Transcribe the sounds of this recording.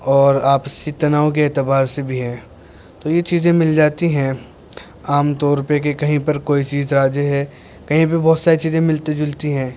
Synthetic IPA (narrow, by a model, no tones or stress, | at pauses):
ɔːɾaːpsit̪ɐnaːõkeɛːt̪ɪbaːɾsebʱiɦɛ̃ː | t̪oːjet͡ʃiːzẽmɪld͡ʒaːt̪iɦɛ̃ | aːmt̪ɔːɾpekekɐɦĩpɐɾkoːit͡ʃiːzɾaːd͡ʒəɦɛ | kɐɦĩp̬ebɔːt̪saːɾit͡ʃiːzẽmɪlt̪ed͡ʒʊlt̪iɦɛ̃ː